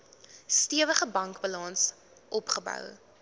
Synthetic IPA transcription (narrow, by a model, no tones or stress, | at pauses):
stiəvəχəbɐŋkbəlɑns | ʔɔpχəbœ̰w